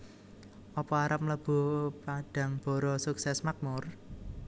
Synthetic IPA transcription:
ʔɔpɔaɾap̚mləb̥o̤paɖ̥a̤ŋb̥ɔ̤ɾɔsuksɛsmak̚mʊr

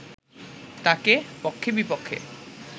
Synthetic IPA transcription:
t̪akepokʰːebipokʰːḛ

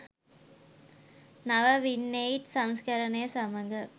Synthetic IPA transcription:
nɐʋɐʋinːejʈsɐŋskɐɾɐnɐjɐsɐmɐŋɡɐ

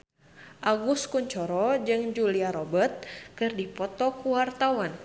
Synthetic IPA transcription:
ʔaɡuskuɲt͡ʃɔɾɔd͡ʒɨŋd͡ʒuliaɾɔbərt̪̚kɨrdipɔt̪ɔkuwart̪awan

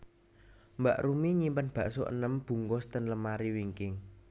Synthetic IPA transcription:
mbaʔɾumiɲimpanb̥ä̤ʔsoʔə̰nəmb̥ṳŋɡɔst̪ənləmaɾiwiŋkɪŋ

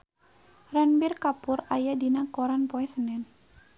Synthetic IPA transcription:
rɛnbɪrkapʊrajadinakɔɾanpɔɛsənɛn

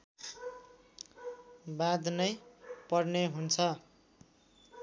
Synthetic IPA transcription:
bad̪nʌjpʌrneɦunt͡sʰʌ

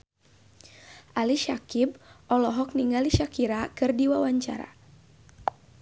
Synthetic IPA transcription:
ʔaliʃakib̚ʔɔlɔɦɔk̚niŋaliʃakiɾakɨrdiwawaɲt͡ʃa̰ɾa̰

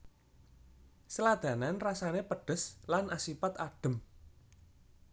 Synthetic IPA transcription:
səlad̪̥ä̤nanrasanepəɖ̥ə̤slanʔasipat̪aɖ̥ə̤m

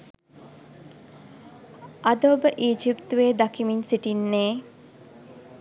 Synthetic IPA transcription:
ʔad̪oːbəʔiːd͡ʒipt̪uʋeːd̪akimiɲsiʈinːeː

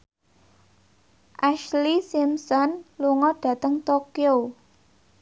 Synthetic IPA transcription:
ʔaʃlisimsɔnluŋɔɖ̥ä̤t̪əŋt̪okjo

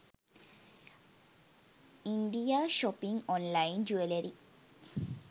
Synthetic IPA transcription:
iɳɖijaːʃɔpiŋɡɔnlajnd͡ʒueleɾi

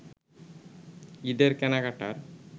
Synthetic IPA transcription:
iɖeɾkɛnaɡaʈaɾ

